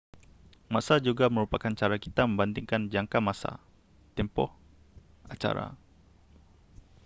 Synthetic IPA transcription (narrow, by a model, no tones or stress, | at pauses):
masad͡ʒuɡaməɾupakant͡ʃaɾakit̪amə̃mbant̪iŋkand͡ʒaŋkamasa̰ | t̪ɛmpɔh | at͡ʃa̰ɾa̰